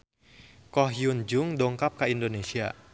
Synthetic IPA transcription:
kɔhjund͡ʒʊŋdoŋkap̚kaʔindonesia

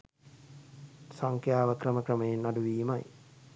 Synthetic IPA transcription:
saŋkjaːʋəkrəməkrəməjenːaɖuʋiːmaj

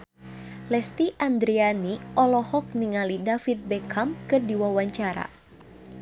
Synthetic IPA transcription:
lɛst̪iʔand̪ɾianiʔɔlɔhɔk̚niŋalidafit̪̚bɛkʰamkɨrdiwawaɲt͡ʃaɾa̰

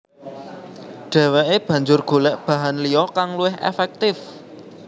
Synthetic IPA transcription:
ɖ̥ɛ̤weʔeb̥ä̤ɲd͡ʒʊrɡ̥o̤lɛʔb̥ä̤ɦanlijɔkaŋluɪɦʔḛfɛk̚t̪ɪf

